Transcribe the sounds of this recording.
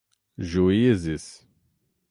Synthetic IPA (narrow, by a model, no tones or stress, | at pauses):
ʒujizis